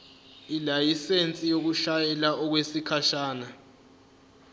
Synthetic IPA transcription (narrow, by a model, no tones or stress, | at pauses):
ilajisent͡sʼijok̬uʃajɛlaʔɔk̬wesikʰaʃaːna